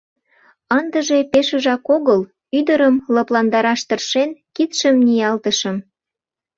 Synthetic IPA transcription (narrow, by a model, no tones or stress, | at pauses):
ənd̪əʒe̽peʃə̆ʒɑkoɣəl | yd̪əɾəmlɤplɑnd̪ɑɾɑʃt̪ərʃenkit̪ʃəmnijɑlt̪əʃəm